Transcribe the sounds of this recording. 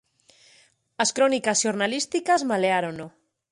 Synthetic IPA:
ɐskɾɔnikasʃoɾnalist̪ikazmaleaɾono

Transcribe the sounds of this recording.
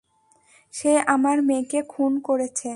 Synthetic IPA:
ʃeamaɾmekekʰunkoɾet͡ɕʰe

